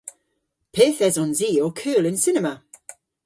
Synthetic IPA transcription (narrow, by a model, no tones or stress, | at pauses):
pʰeːθɛzɔnziːokʰɜːlɪ̃nsɪnəmə